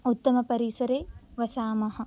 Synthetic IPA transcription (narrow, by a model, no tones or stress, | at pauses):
ut̪ːɐmɐpɐɾisɐɾeːʋɐsaːmɐɦɐ̆